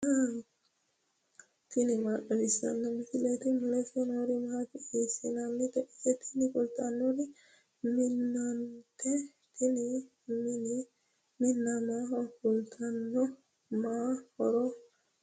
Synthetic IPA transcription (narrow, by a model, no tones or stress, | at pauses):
a | t̪inimaɗɔbisa̰nːamit̪ilɛt̪imlɛfɔnoɾimakiisinanːit̪ɛɛt̪ʰi̥nikult̪anːɔɾi | minːant̪ɛ | t̪ʰini | mini | minːamaɔkult̪ʰanːɔ | mahɔɾɔ